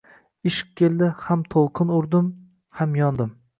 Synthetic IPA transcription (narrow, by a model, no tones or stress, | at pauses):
ɪʃɪ̥q̚kʲʰːe̞lˠd̪ɪhamt̪ʰolˠqʰɨnʊɾd̪ɪm | hamjɒnd̪ɪm